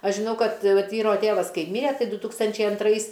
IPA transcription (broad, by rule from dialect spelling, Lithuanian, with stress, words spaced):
ˈɐʃ ʒʲɪˈnɐʊ ˈkɐt ˈʋɐt ˈʋʲiːroː ˈtʲeːʋɐs ˈkɐɪ ˈmʲiːrʲɛ ˈtɐɪ ˈdʊ ˈtuːkstɐnʲt͡ʃʲɛɪ ɐnˈtrɐɪs